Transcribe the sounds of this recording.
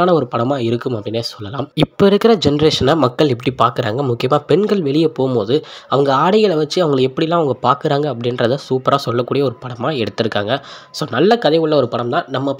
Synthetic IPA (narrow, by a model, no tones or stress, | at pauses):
aːnɐɔɾɯpɐɽɐmaːɪɾɯkːɯmɐpːɐɽɪnːesɔlːɐlã̰ːmɪpːoɪɾɯkːɐɾɐd͡ʒɛnɐɾeːʂɐnɐmɐkːɐɭɛpːɐɽipaːɾkɯɾa̰ːŋɡɐmʊkːɪjɐmaːpɛɳɡɐɭʋɛɭɪjɐpoːmpoːðɯɐʋɐŋɡɐaːɽɪjɐlʋɐt͡ʃːɯɐʋɐŋɡɐɭɛpːɐɽɪlːãːɐʋɐŋɡɐpaːɾkɯɾaːŋɡɐːpːɐɽɪnɾɐðɯsuːpɐɾaːsɔlːɐkːuːɽɪjɐɔɾɯpɐɽɐmaːɛɽɯt̪ːɯɾɯkːa̰ːŋɡɐsoːnɐlːɐkɐðɐɪɯɭːɐɔɾɯpɐɽɐmt̪ãːnɐmːɐ